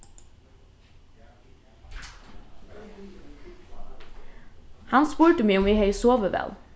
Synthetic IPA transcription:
hɑnspʉːʈəmiːəʊmiːhœʏsoːʋəʋɛ̰l

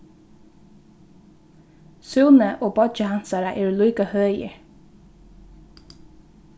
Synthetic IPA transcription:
suːnəʔoːbɔd͡ʒəhɑnsɑɾəʔeːɹlyːkɑhœːjə̰

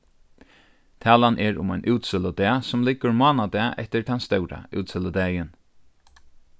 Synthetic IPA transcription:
t̪ʰɛːlanʔɛɾʊ̰majnʔuːt̪sɪləd̪ɛasʊmlɪkːʊɹmɔaːnad̪ɛaɛ̰ht̪ɪɾt̪ʰanst̪œwɾa̰ṵːt̪sɪləd̪ɛːjɪn

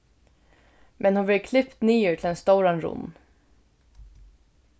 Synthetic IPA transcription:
mʔɛnhʊnblɪkʰlɪpt̪niːʉːʈʰɪlɛnst̪oʊɾanɾʊ̰n

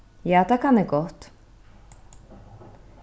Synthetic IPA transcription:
jaːt̪ʰakʰanɛɡɔht̪

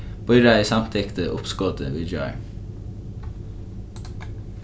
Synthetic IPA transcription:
b̥ɔʏɾɑɪsɑmt̪ʰɪkt̪ʰəʔʊpskoːd̪ə̰ʋid͡ʒɑ̰ʏ

